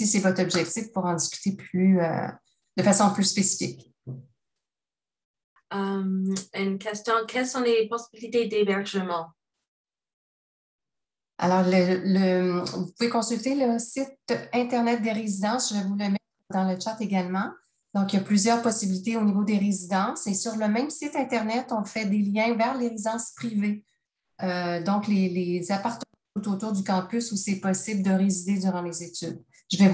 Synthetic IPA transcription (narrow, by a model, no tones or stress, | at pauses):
sisɛvɔt̪χɔbʒɛk̚t̪ifpuʁɑ̃d̪iskʲy̥t̪epʰlyø̰ | d̪̥əfasɔ̃plyspesi̥fɪk | əmynkʲɛst̪jɔ̃kʲɛlsɔ̃lepɔsibilit̪ed̪ebɛʁʒəmɑ̃ | a̰lɔʁlələvupuvekɔ̃sylt̪eləsɪt̪ɛ̃t̪ɛʁnɛt̪̚d̪eʁezid̪ɑ̃sʒəvɛvuləmɛt̪χd̪ɑ̃lət͡ʃat̪eɡʲalmɑ̃ | d̪̥ɔ̃kjaplyzjœːʁpɔsibilit̪eonivod̪eʁezid̪ɑ̃sesyʁləmɛ̃msɪt̪ɛ̃t̪ɛʁnɛt̪ɔ̃fɛd̪eljɛ̃vɛʁleʁezid̪ɑ̃spʁive | ød̪ɔ̃klelezapaʁt̪ə̃ | ut̪ot̪uːʁd̪ykɑ̃pysusiɛpɔsɪbld̪əʁezid̪ed̪zyʁɑ̃lezet̪yd̪ | ʒəvɛv